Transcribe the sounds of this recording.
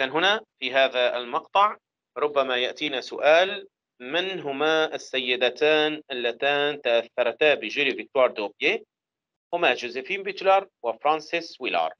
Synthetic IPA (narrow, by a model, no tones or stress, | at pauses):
kaːnɦʊnafiɦaːðaɪ̰lmɑqt̪ˤɑʕ | ɾˤʊbːamajaʔt̪iːnasʊʔaːl | mɪnɦʊmaʔɪsːajːɪd̪at̪aːnʔɪlːat̪aːnt̪aʔaθːɑɾˤt̪aːbɪʒɪlivɪk̚t̪wɑːɾˤd̪oːbje | hʊmad͡ʒozɪfiːmbɪt̪lɑɾˤwɪfɾˤɑːnsɪswilɑ̰ːɾˤ